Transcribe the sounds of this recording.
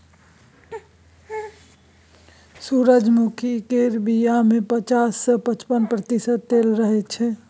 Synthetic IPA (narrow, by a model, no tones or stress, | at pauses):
suɾəd͡ʒmukʰikeɾbijamẽpət͡ʃaːsːəpət͡ʃpənpɾət̪isəd̪̚t̪eːlɾəɦet͡ʃʰɛ